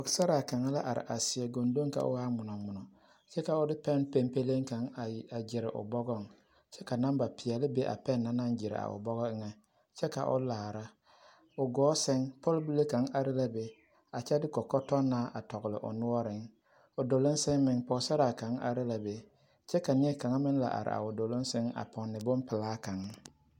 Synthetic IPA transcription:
ɔ˨ksa˦ɾa˨ka˨ŋa˦la˦ʔa˨ɾɪ̰˨ʔa˨sɪ˨ɛ˨ɡo˨ndo˦ŋka̰˨ʔʊ̰˦ɣaː˦mʊ˨nɔ˨mʊ˨nɔ˨ | t͡ʃɛ˦ka˨ʊ˦dɪ˦pɛ˦npe˦mpe˦le˦ŋka˨ŋ˨a˨d͡ʒɪ˨ɾɪ˨ʔʊ̰˨bɔ˦ɡɔ˦ŋ | t͡ʃɛ˦ka˨na˦mba˨pɪ˨ɛ˨lɪ˦be˦ʔa̰˨pɛ˦˨nːa˦na˦nd͡ʒɪ˨ɾɪ̰˨a̰˨ʊ̰˨bɔ˦ɣɔ˦ɪ˦ŋɛ˦ | t͡ʃɛ˦ka̰˨ʔʊ̰˦laː˨ɾa˦ | ʊ˨ɡɔː˨˦sɪ˦ŋpɔ˦lbu˦le˦ka˨˦ŋʔa˨ɾɪ˦la˦be˨ | a˨t͡ʃɛ˦dɪ˦kɔ˨kɔ˦tɔ˦nːaː˦ʔa˨tɔ˨ɡʊ˨lɪ̰˨ʔʊ̰˨nʊ˦ɔ˦ɾɪ˨˦ŋ | ʊ˨do˨lʊ˦n˦sɪ˦ŋmɪ˨ŋpɔ˨˦sa˦ɾa˨ka˨˦ŋa̰˨ɾɪ˦la˨be˨ | t͡ʃɛ˦ka˨nɪ˦ɛ˦ka˨ŋa˦mɪ˦n˦la̰˨ʔa̰˨ɾɪ̰˨ʔa̰˨ʊ˨do˨lʊ˦nsɪ˦ŋa̰˨pɔ˨nːɪ˨bʊ˦mpɪ˨laː˦ka˨ŋa˦

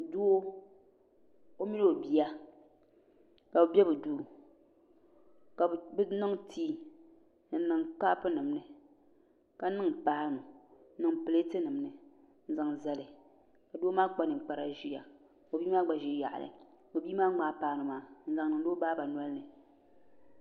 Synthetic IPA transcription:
du˦o˦ | o˦mi˦no˦o˨bi˦a˦ | ka˨bɨ˨bɛ˦bɨ˨duː˦ | ka˨bnɨ˦ŋtʰiː˦ | n̩˦nɨ˨ŋk͡pa˦pɨ˦nɨ˨mnɨ˨ | ka˨˦nɨ˦ŋpaː˦nu˨˦nɨ˦ŋpɨ˨le˦tɨ˦nɨ˨mnɨ˨ | n̩˦za˨ŋza˦lɨ˨ | ka˨doː˦maː˦ɡ͡ba˦nɨ˨ŋ˨k͡pa˨ɾa̰˦ʒi˦ja˨ | o˨biː˦maː˦ɡ͡ba˨ʒi˦ja̰˨ʔnɨ̰˨ | o˨biː˦maː˦ŋ͡maː˨˦paː˦nɨ˨maː˦n̩˦za˨ŋnɨ˨ŋ˦do˦baː˦ba˨n˦ɔ˦lnɨ˨

